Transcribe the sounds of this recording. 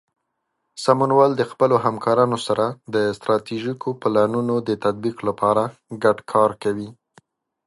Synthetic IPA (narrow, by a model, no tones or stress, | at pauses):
samʊnwɑld̪əxpəloɦamkɑɾɑnosaɾad̪əst̪ɾɑt̪iʒikʰoplɑnunod̪ət̪ad̪̚biqlapɑɾaɡaɖkʰɑɾkawi